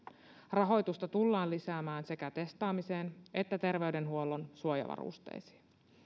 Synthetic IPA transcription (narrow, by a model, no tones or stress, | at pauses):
rɑɦo̞jt̪ust̪ɑt̪ulːɑːlisæːmæːnse̞kæt̪e̞st̪ɑːmise̞ːne̞t̪ːæt̪e̞rʋe̞yde̞nɦuo̞lːo̞nsuojɑ̰ʋɑ̰rṵst̪ḛjsi̥